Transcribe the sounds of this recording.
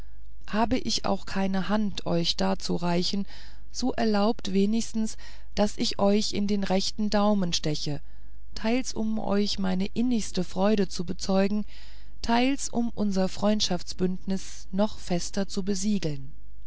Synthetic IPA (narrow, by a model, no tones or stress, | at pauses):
haːbəʔɪça̰ʊxkʰaɪnəhantʰʔɔʏçd̥aːt͡suʁaɪçn̩ | z̥oːʔɛɐlaʊptv̥eːnɪçstn̩s | d̥asʔɪçʔɔʏçɪ̰ndeːnʁɛçtn̩daʊmənʃtɛçə | tʰaɪlsʊ̰mʔɔ̰ʏçmaɪnəʔɪnɪçstəfʁ̥ɔʏɾət͡subət͡sɔʏɡŋ̩ | tʰaɪlsʊmʔʊnzɐfʁ̥ɔʏntʃaft͡sb̥ʏntnɪs | nɔχfɛstɐt͡subəziːɡl̩n